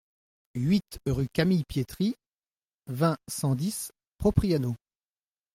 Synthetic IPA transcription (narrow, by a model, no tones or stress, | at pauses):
ɥit̪ʁykʲamijpjet̪χi | vɛ̃sɑ̃d̪is | pχɔpχiano